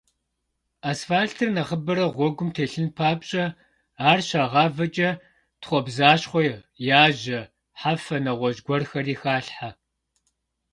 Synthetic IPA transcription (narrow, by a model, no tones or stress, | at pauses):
aːsfaːɬtʰɨrnɐχəbɨɾɐʁʷɔɡʷʊmtʰeːɬɨnpʰaːbɕʼɐ | aːrɕaːʁɑːvɐt͡ʃʼɐ | tχʷɔbzaːʃχʷɔj | jaːʑɐ | ħafɐnɐʁʷɔʒɡʷɔrxɐriːxaːɬħa